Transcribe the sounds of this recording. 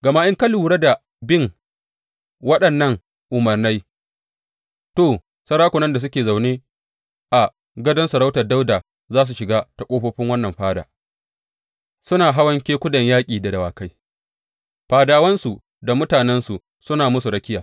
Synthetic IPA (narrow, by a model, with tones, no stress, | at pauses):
ɡɐ˨maː˦ʔɪ˦ŋka˦luː˨ɽe˦da˨ | bɪ˦˨ŋ | wɐ˦ɗɐ˨nːɐ˦ŋ | ʔʊ˨mɐ˨rna˦j | toː˨ | sɐ˦ɾaː˦kʷʊ˨nɐ˦nda˨s̬ʊ˦kʲeː˨za˨wneː˦ | ʔa˨ | ɡɐ˦dɐ˦nsu˨ɾa˦wtɐ˨da˦wdaː˨ | zaː˦s̬u˨ʃɪ˨ɡaː˦ta˨kʷʼoː˦ɸoː˦ɸɪ˦ŋwɐ˦nːɐ˨mɸaː˦da̰ː˨ | sʊ˦naː˨ɦa˦wɐ˦ŋkʲeː˦kʷʊ˦dɐ˨ɲjaː˦kʲʼiː˨da˨dɐ˨waː˨ka˦j | ɸaː˨daː˨˦wɐ˦nsu˨ | da˨mʊ˦taː˨nɛ˦nsu˨ | sʊ˦naː˨mʊ˦su˨ɾɐ˦kʲɪ˦jaː˨